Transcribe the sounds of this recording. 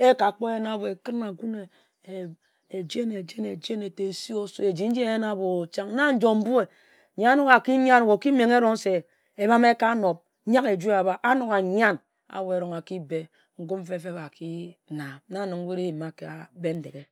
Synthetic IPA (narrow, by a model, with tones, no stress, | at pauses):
e˦ka˨k͡po˦je˦na˨bo˨e˨kɨ˦ɾna˨ɡu˦ne˨ | e˨d͡ʒe˦ne˨d͡ʒe˦ne˨d͡ʒe˦ne˨te˨si˦o˦so˦e˨d͡ʒi˨n̩˦d͡ʒi˦e˦je˦na˦bo˨t͡ʃa˦ŋ˦na˦n̩˦d͡ʒo˨m̩˦bu˦e˨ | ɲa˨˦a˦no˦ɣa˨ki˦ɲ˦a˦n˨wo˨ki˦me˨ŋe˦ɾo˨ŋ˦se˨ | e˨ba˦me˦ka˦no˨p̚ɲa˦ke˨d͡ʒu˦e˦a˨ba˦ʔa˦no˨ka˨ɲ˦a˦n | a̰˨wo˨e˨˦ɾo˨ŋa˨ki˦be˦ | ŋ̩˦ɡu˦m̩˦fe˦fe˦βa˨ki˦na˨˦na˦˨nɨ˨ŋ˦we˦ɾe˦jma˨ke˨a˨be˦n̩˦de˨ɡe˨˦